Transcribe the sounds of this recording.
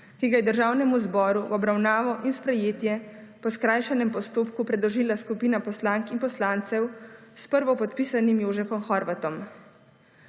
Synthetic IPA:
kiɡajɛd̪əɾʒaːwnɛmuzbɔːɾuʔɔbɾawnaːʋɔʔinspɾɛjeːt̪jɛpɔskɾaːjʃanɛmpɔst̪oːpkupɾɛd̪lɔʒiːlaskupiːnapɔslaŋkinpɔslaːnt̪sɛwspəɾʋɔpɔt̪piːsanimjoːʒɛfɔmxɔːɾʋat̪ɔm

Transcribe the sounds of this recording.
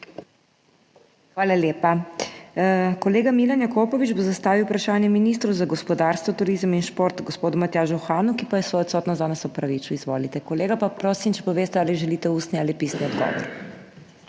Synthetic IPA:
xʋaːlaljeːpa | kɔleːɡamilanjakoːpɔʋid͡ʒbozast̪aːʋiwpɾaʃaːnjɛminist̪ɾuwzaɡɔspɔd̪aːɾst̪ʋɔt̪uɾizminʃpoɾt̪ɡɔspoːd̪umat̪jaːʒuxaːnukipajɛsʋɔjɔt̪sɔːt̪nɔzanɛsɔpɾaʋit͡ʃuizʋo̰ːlit̪ɛkɔleːɡapapɾoːsimt͡ʃɛpɔʋeːst̪ɛaːliʒɛliːt̪ɛuːst̪nialipiːsniɔd̪ɡɔ̰ːʋɔ̰ɾ

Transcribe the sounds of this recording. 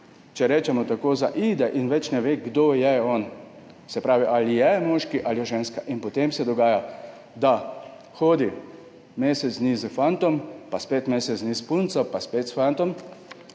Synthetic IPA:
t͡ʃɛɾɛːt͡ʃɛmɔt̪akoːzaʔid̪ɛʔinʋɛt͡ʃnɛʋeːɡd̪oːjɛɔn | sɛpɾaːʋiʔalijɛmɔːʃkiʔaljɛʒeːnskaʔinpɔt̪emsɛd̪ɔɡaːja | d̪a | xoːd̪i | meːsɛsniːzəfant̪ɔmpaspeːt̪meːsɛznispunt̪sɔpaspeːt̪sfant̪ɔm

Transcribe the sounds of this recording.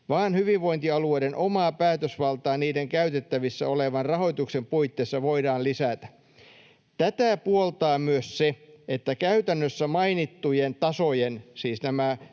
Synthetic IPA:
ʋɑːnhyʋiʋʋoint̪iɑlueidenʔomɑːpæːt̪øsʋɑlt̪ɑːniːdeŋkæyt̪et̪ːæʋisːæ̰oleʋɑnrɑho̞jt̪uksempuit̪ːeːsːɑʋoidɑːllisæt̪æ̥ | t̪æt̪æpuolt̪ɑːmyøsseet̪ːækæyt̪ænːøsːæmɑinit̪ːujent̪ɑsojensiːsnæmæ

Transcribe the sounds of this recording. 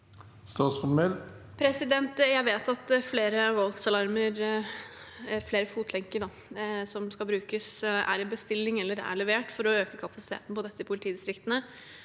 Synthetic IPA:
st̪ɑːsfɔmɛl | pʰɾɛsɪd̪ɛnt̪jæɪʋeːt̪ɑt̪fleːɾəʋɔlt̪sɑlɑɾməɾ | fleːɾəfuːt̪ʰlɛŋkəɖɑ | sɔmskɑbɾʉːkəsæ̰ɾɪbəst̪ɪlːɪŋɛlːəɾæ̰ɭɛʋeːʈfɔɾɔøːkəkʰɑpɑsɪt̪ʰḛːt̪n̩pʰɔd̪ɛt̪ːəɪpʰʊlɪiːd̪ɪst̪ɾɪkt̪ənə

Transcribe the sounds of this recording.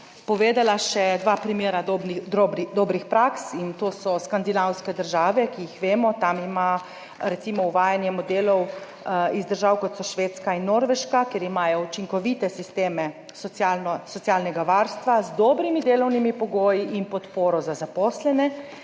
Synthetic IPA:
pɔʋeːd̪alaʃɛd̪ʋaːpɾimjeːɾad̪obɾd̪oːbɾixpɾaksint̪oːsɔskand̪inawskɛd̪əɾʒaːʋɛkijixʋeːmɔt̪amima | ɾɛt̪simɔuʋaːjanjɛmɔd̪eːlɔw | izd̪əɾʒaːwkɔt̪sɔʃʋeːt̪skainːoːɾʋɛʃkakjeːɾimaːjɔut͡ʃiŋkɔʋiːt̪ɛsist̪eːmɛ | sɔalnɔsɔt̪sjaːlnɛɡaʋaːɾst̪ʋazd̪ɔːbɾimid̪eːlɔwnimipɔɡoːjiʔinpɔt̪poːɾɔzazapɔːslɛnɛ

